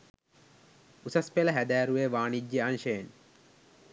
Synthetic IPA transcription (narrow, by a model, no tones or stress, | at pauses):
usɐspeləɦæd̪æːɾuʋeːʋaːnid͡ʒːeanʃejen